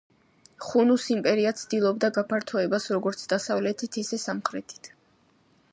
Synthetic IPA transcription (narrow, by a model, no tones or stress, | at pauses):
χunusimpʼɛɾiat̪sʰd̪ilˠɔb̚d̪aɡapʰaɾt̪ʰɔɛbasɾɔɡɔɾt̪sʰd̪asavlɛt̪ʰit̪ʰisɛsamχɾɛt̪ʰi̥t̪ʰ